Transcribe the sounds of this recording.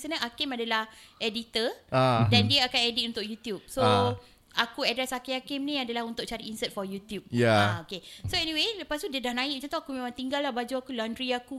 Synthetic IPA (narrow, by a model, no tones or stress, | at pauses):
sənəʔakɪmadalahɛdit̪əadandiəakanɛdit̪̚unt̪ʊk̚jut̪jup̚so | akuadɾɛsakiakɪmnĩadalahɦunt̪ʊk̚t͡ʃaɾiinsət̪̚fɔjut̪jup̚jaaokesoɛniweləpast̪udiədahnãikmət͡ʃant̪oakumẽmãŋt̪iŋɡalːahbad͡ʒuakulandɾiaku